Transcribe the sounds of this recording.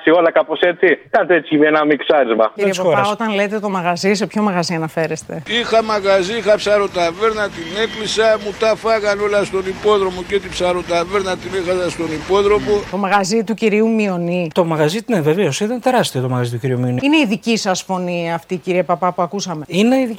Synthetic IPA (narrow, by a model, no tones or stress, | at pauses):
sio̞lɐkapo̞se̞t͡sikɐnt̪et͡siivenɐmiksɐɾizmɐiɾiespɐopɐo̞t̪ɐnle̞t̪e̞t̪o̞mɐɣɐzis̬e̞pço̞mɐɣɐziɐnɐfe̞ɾe̞st̪e̞ixamaɣaziixapsaɾot̪aveɾnat̪ineklisɐmut̪ɐfɐɣano̞last̪o̞nipo̞ðɾomocet̪ipsaɾot̪aveɾnat̪inexazast̪o̞nipo̞ðɾo̞mot̪o̞mɐɣɐzit̪uciɾiumio̞nit̪o̞mɐɣɐzineve̞veo̞sit̪ɐnt̪e̞ɾɐst̪iot̪omɐɣɐzit̪uciɾiumio̞niine̞iðicisɐsfo̞niɐːft̪iciɾiepɐpɐpuɐkusɐme̞ine̞iði